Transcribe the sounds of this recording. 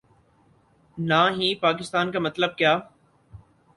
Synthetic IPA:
naːɦipaːkɪst̪aːnkamɐt̪ləb̚kjaː

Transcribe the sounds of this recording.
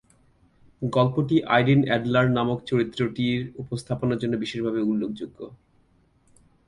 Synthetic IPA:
ɡɔlpoʈiʔa̰jɖinɛɖlaɾnamokt͡ɕoɾit̪ːɾoʈiɾupost̪ʰaponaɾd͡ʑonːobiʃeʃbʱabeulːok̚d͡ʑuɡːo

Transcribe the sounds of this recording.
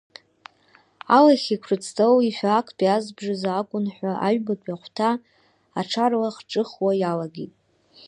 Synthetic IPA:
alaχʲikʷʰrɨt͡sʰtʰʼowiħʷᶣakʰpiazbʐɨzakʷʼʊnħʷaʔa̰ʒbatʷʼaχʷtʰa | aʈ͡ʂʰarlaχʈ͡ʂʼɨχwajalaɡejtʼ

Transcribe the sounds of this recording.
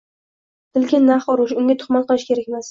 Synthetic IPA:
t̪ʰɪlkʲɪnːaχɒɾʊʃʊŋɡʲat̪ʰʊ̥χmɒnqɨlˠɪʃkʲʰe̞ɾakʲmas

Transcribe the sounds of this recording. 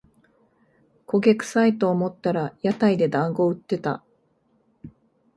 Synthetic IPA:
ko̞ɡʲekɯ̟̥sait̪oːmo̞t̪ːaɾajat̪aid̪e̞d̪ãŋɡo̞ɯ̟t̪ːe̞t̪a̰

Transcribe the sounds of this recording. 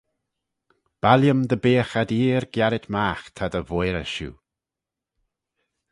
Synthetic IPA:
b̥aljəmd̪əbeːxad̪iːɾɡjaɾɪt̪maːxt̪ʰad̪əvojɾəʃṵː

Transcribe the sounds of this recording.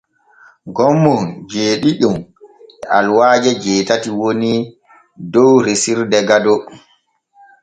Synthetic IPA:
ɡɔmːɔd͡ʒeːɗiɗumʔɛʔalwaːd͡ʒɛd͡ʒɛːtatiwoni | dɔwɾesiɾdɛɡadɔ

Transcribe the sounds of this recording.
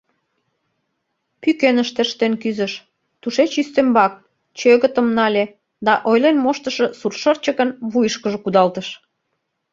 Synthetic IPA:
pykenəʃt̪eʃt̪enkyzə̆ʃ | t̪uʃet͡ɕyst̪embɑk̚ | t͡ɕøɣət̪əmnɑlʲe | d̪ɑʔojlenmoʃt̪əʃə̆surʃərt͡ɕəkənβujəʃkəʒəkud̪ɑlt̪əʃ

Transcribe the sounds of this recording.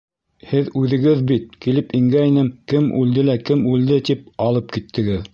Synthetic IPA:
hɘðʉðɘ̆ɡɘðbit̪̚kilɘpiŋɡæinɘmkɘmʔʉld̪ɘlækɘmʉld̪ɘt̪ip̚ɑlˠɤp̚kit̪ʰːɘ̆ɡɘð

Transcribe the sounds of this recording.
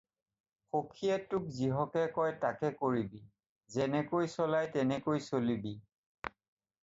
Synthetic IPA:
xokʰiɛtʊkziɦɔkɛkɔjtakɛkoɹibi | zɛnɛkojsɔlajtɛnɛkojsolibi

